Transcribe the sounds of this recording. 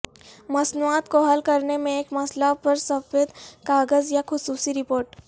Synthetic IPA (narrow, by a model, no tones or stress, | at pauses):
mɐsnuaːt̪koɦɐlkɐɾnemẽeːkmɐslapɐɾsɐfeːd̪kaːɡəzjaxʊsuːsiɾɪpoːɾʈ